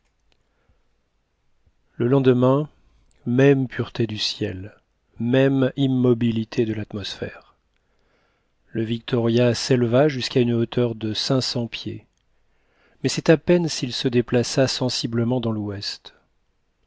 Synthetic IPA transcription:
ləlɑ̃d̪əmɛ̃ | mɛmpʰyʁt̪ed̪ysjɛ̰l | mɛmimːɔbilit̪ʰed̪əlat̪mɔsfɛ̰ʁ | ləvik̚t̪ɔʁjasɛlvaʒyskaynot̪ʰœʁd̪əsɛ̃sɑ̃pje | mɛsɛt̪apɛnsilsəd̪eplasasɑ̃sibləmɑ̃d̪ɑ̃lwɛst̪

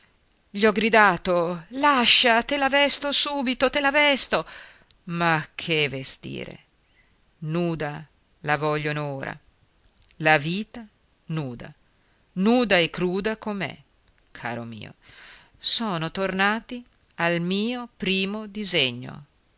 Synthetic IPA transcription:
ʎiɔɡɾid̪aːt̪olaʃːat̪elavɛst̪osuːbit̪ot̪elavɛst̪o | makʰːevest̪ḭːɾḛ | nuːd̪a | lavɔʎːonooːɾʔa̰ | laviːt̪a | nuːd̪a̰ | nuːd̪aekːɾuːd̪akomɛ̰ | kʰa̰ːɾo̰mḭːo̰ | sɔːnot̪ornaːt̪i | almiːopɾiːmod̪izeɲːo̰

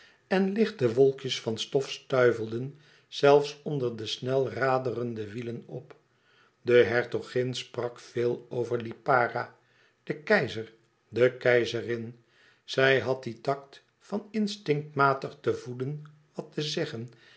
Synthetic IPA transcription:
ɛnlɪχt̚dəʋɔlˠkjəsfɑnstɔfstœɥvəlˠdən | z̥ɛlˠfsɔndəɹdəsnɛlˠraːdərəndəʋilənɔp | dəɦɛɹtoχɪnsprɑkfɪːlˠowvəɹlipaːra | d̥əkɛjzəɹ | dəkɛjzərɪn | z̥ɛjɦɑt̚ditɑkt | fɑnɪnstɪŋk̚tmaːtəχtəvudən | ʋɑtəzɛχən

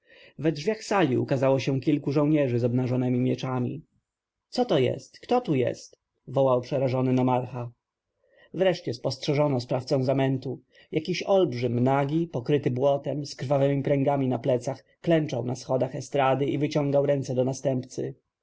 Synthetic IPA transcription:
vɛdʐvʲjaxsalʲiṵkazawɔɕɛ̃kʲilkuʐɔ̃w̃ɲɛʐɘzɔbnaʐɔnɛmʲimʲjɛt͡ʂamʲḭ | t̪sɔt̪ɔjɛ̰st̪kt̪ɔt̪ujɛ̰st̪ | vɔwawpʂɛɾaʐɔnɘnɔmaɾxa | vɾɛʂt͡ɕɛspɔstʂɛʐɔnɔspɾaft̪sɔ̃w̃zamɛnt̪u | jakʲiɕɔlbʐɘmnaɡʲipɔkɾɘt̪ɘbwɔt̪ɛmskɾvavɛmʲipɾɛŋɡamʲinaplɛt̪sax | klɛnt͡ʂawnasxɔd̪axɛst̪ɾad̪ɘʔivɘt͡ɕɔ̃ŋɡawɾɛnt̪sɛd̪ɔnast̪ɛmpt̪sɘ̰

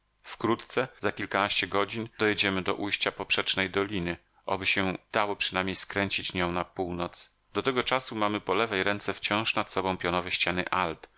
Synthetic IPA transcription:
fkɾut̪t̪sɛzakʲilkanaɕt͡ɕɛɡɔd͡ʑind̪ɔjɛd͡ʑɛmɘd̪ɔʔujɕt͡ɕapɔpʂɛt͡ʂnɛjd̪ɔlʲinɘ | ʔɔbɘɕɛd̪̥awɔpʂɘnamʲejskɾɛɲt͡ɕit͡ɕɲɔ̃w̃napuwnɔt̪s | d̪ɔt̪ɛɡɔt͡ʂasumamɘpɔlɛvɛjɾɛnt̪sɛft͡ɕɔ̃w̃ʂnat̪sɔbɔ̃w̃pʲjɔnɔvɛɕt͡ɕanɘ̰ʔalp

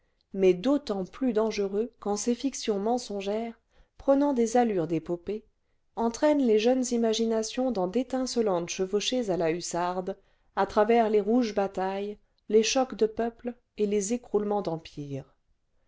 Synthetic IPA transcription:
mɛd̪ot̪ɑ̃plyd̪ɑ̃ʒəʁøkɑ̃sefiksjɔ̃mɑ̃sɔ̃ʒɛːʁ | pχənɑ̃d̪ezalyʁd̪epope | ɑ̃t̪χɛnleʒœnzimaʒinasjɔ̃d̪ɑ̃d̪et̪ɛ̃səlɑ̃t̪ʃəvoʃezalaysaʁd̪ | at̪χavɛʁleʁuʒbat̪aj | leʃɔkd̪əpœpl | elezekχulmɑ̃d̪ɑ̃pʰiːʁ

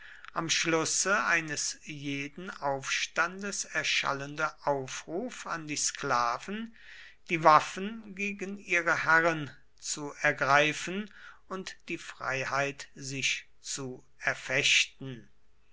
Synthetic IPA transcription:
ʔamʃlʊsəaɪnəsjeːdn̩aʊfʃtandəsɛɐʃa̰ləndəʔaʊfʁuːfandiːsklaːvn̩ | d̥iːvafənɡeːɡəniːʁəhæʁən | t͡suɛɐɡʁaɪfən | ʊntd̥iːfʁ̥a̰ɪhaɪtzɪʃ | t͡su | ɛɐfɛʃtn̩

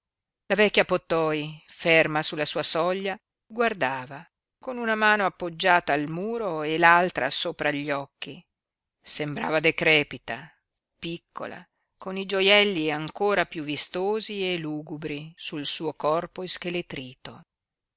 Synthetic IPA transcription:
lavɛkʲːjapot̪ːɔifermasulasuːasɔʎːa | ɡward̪aːva | konunamaːnoapːod͡ʒːaːt̪aːlmuːɾoelalt̪ɾa̰soːpɾaʎːɔkːi | sembɾa̰ːvad̪ekɾɛːpit̪a | pikʰːo̰la̰ | konid͡ʒojɛlːiaŋkoːɾapjuvːist̪oːzieluːɡubɾisulsuːokɔrpoiskelet̪ɾiːt̪o

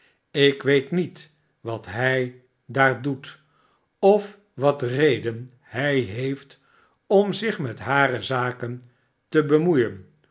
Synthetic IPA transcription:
ɪkʋejtnit | ʋɑtɦɛj | daːɹdut | ɔf | ʋɑtrejdən | hɛjɦejft | ɔmzɪχmɛtɦaːrəzaːkən | təbəmujən

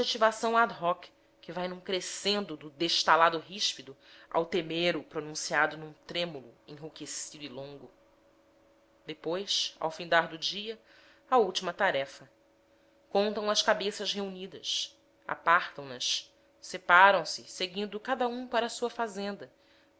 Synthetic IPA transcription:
et͡ʃivasɐ̃w̃ad̪ɦɔk | kɪvajnũkɾesẽnd̪ʊd̪ʊd̪eʃt̪alad̪ʊɦiʃpid̪ʊa̰wt̪emeɾʊpɾonũsiad̪ʊnũt̪ɾẽmulʊ̰ẽɦukesid̪uilõŋɡʊ | d̪epojsa̰wfĩnd̪aɾd̪ʊd͡ʒiɐ | auwt͡ʃimɐt̪aɾɛfɐ | kõnt̪ɐ̃w̃ɐʃkabesɐʃɦeunid̪ɐʃ | a̰paχt̪ɐ̃w̃nɐʃ | sepaɾɐ̃w̃sɪseɡĩnd̪ʊkad̪ɐũpaɾɐːsuɐfazẽnd̪ɐ

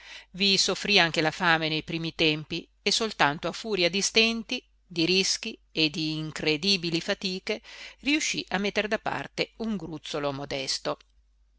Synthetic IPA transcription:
visofːɾiaŋk̟elafaːmenejpɾiːmit̪ɛmpi | esolt̪ant̪oafuːɾjad̪ist̪ɛnt̪i | d̪iɾisk̟ied̪iːŋkɾed̪iːbilifat̪iːkeriuʃːiʔamːet̪ːeɾd̪apːa̰rt̪euŋɡɾut̪sːolomod̪ɛst̪o

